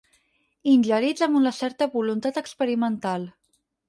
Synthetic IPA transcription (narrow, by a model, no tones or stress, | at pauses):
inʲʎəɾid͡zəmunəsɛɾt̪əβulunt̪at̪əkspəɾimənt̪alˠ